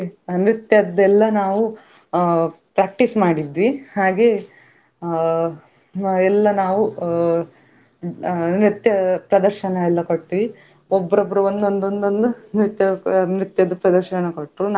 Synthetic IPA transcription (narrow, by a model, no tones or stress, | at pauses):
nɾit̪jɐd̪ɛlːɐnaːʋu | pɾaːk̚ʈismaːɽid̪ʋihaːɡe | ɛlːɐnaːʋu | nɾit̪jɐpɾɐd̪ɐɾʃɐnɐɛlːɐkoʈːiʋi | ɔbːɐɾobːɐɾuond̪ond̪ond̪ond̪unɾit̪jɐnɾit̪jɐd̪ɐpɾɐd̪ɐɾʃɐɳɐkoʈːɾun